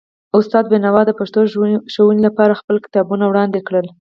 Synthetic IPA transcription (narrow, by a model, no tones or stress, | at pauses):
ʊst̪ɑd̪̚benawɑd̪əpaʃt̪oʃowunilapɑɾaxpəlkɪ̥t̪ɑbunawɽɑnd̪ekɽəl